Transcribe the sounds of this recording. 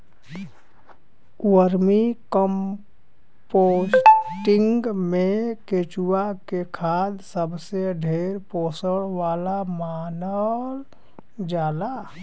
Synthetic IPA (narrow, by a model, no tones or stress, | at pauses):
wəɾmikəm | posʈɪ̃ŋɡmẽket͡ʃuwakekʰaːd̪səbseɖʱeːɾpoːsəɽʋaːlamaːnəl | d͡ʒaːla